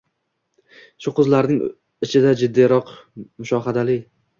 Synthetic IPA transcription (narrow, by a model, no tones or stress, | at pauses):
ʃʊqʊzlaɾnɪŋ | ɪt͡ʃʰɪd̪ad͡ʒɪd̪ːijɾɒqmʊʃɒɦad̪alɪ